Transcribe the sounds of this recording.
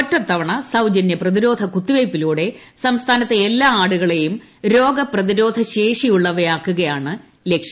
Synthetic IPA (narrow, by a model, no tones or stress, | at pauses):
ɐtːɐt̪ːɐʋɐɳɐsɐwd͡ʑɐnjɐprɐðiɾo̞ːd̪ʱɐkut̪ːiʋejpːiluːɽe̞sɐmst̪ʰaːnɐt̪ːeːlːaːaːɽuɣɐɭe̞jum | ɾo̞ːɡɐprɐðiɾo̞ːd̪ʱɐɕeːʂijuɭːɐʋɐjaːkːuɣɐjaːɳɨ | lekʂjɐ